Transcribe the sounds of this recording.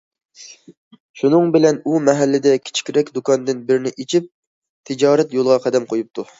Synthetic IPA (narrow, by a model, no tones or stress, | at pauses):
ʃunɨŋbɪlɛnumɛɦɛlːɪd̪ɛkʲʰi̥t͡ʃʰi̥kʲɾɛkʲd̪ukɑnd̪ɪnbɪɾnɪʔit͡ʃʰip̚ | t̪ʰɪd͡ʒɑːɾɛt̪jolˠʁɑqʰæd̪ɛmqʰojup̚t̪ʰu